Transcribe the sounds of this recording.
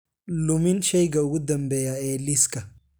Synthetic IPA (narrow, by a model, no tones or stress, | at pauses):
lʊmɪnʃɛjɡɐwʊd̪ɐmbɛjaeːlːiskɐ